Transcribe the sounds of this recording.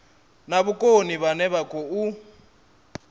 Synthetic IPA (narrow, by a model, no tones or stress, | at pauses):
naβukʼoniβanɛβakʼɔu